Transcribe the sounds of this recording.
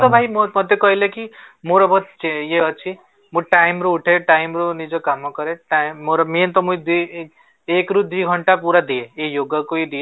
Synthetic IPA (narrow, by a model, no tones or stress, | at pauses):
t̪ɔbʱajmmɔd̪ʱekɔɦilekimoɾɔbʱɔt̪t͡ʃjeɔt͡ʃʰi | mũʈajmɾuuʈʰeʈajmɾonid͡ʒɔkamɔkɔɾeʈamoɾɔmient̪ɔmũid̪i | ekɾud̪wiɡʱɔɳʈapuɾad̪ieejoɡɔkoid̪ie